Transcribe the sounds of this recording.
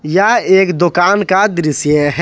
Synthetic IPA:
jaeːkd̪okaːnkad̪ɾɪsjəɦ

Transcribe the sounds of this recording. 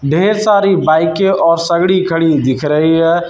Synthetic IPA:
ɖʱeːɾsaːɾibaːɪkeʔɔːɾsəɡɽikʰəɽid̪ɪkʰɾəɦiɦɛ

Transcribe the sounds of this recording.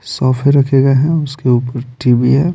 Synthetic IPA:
sɔːfʰeɾɐkʰeːɡaɦɛ̃ʊskeuːpəɾʈiːbiɦɛ

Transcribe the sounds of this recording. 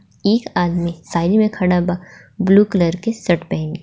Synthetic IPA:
eːkaːd̪mĩsaːɪlimẽkʰɐɽaba | bluːkələɾkesɐʈbɛ̃ːŋk

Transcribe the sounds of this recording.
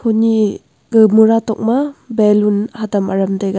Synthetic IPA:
kʰuni | ɡɯmuɾatɔk̚mɐbelunhatɐmɐ̰ɾɐmdajɡa

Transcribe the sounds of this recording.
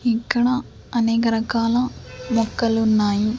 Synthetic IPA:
ikːɐɽɐ | ɐneːkɐɾɐkaːlɐmɔkːɐlunːaːji

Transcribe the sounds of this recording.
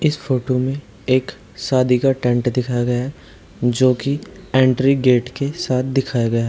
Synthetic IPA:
ɪsfoːʈomẽ | eːk | saːd̪ʱikaʈɛ̃ɳʈd̪ɪkʰaɡɐjaɦɛ | d͡ʒoːkiɛ̃ːɳʈɾiɡeːʈkesaːt̪̚ʰd̪ɪkʰajaɡɐjaɦɛ

